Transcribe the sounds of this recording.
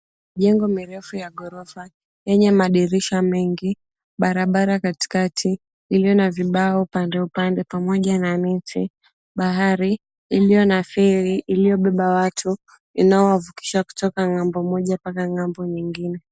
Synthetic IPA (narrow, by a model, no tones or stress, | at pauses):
ʄɛŋɡɔmiɾɛfujaɠɔɾɔfa | jɛɲɛmaɗiɾiʃamɛŋɡi | ɓaɾaɓaɾakati̥katʰiː | liɔnaviɓaɔupandɛupandɛpamɔʄananɛti | ɓaɦaɾiː | lijɔnafɛɾiʔːlijɔɓɛɓawatʰu | inaɔwavuki̥ʃaku̥tɔkaŋambɔmɔʄapakaŋambɔɲiŋɡinɛ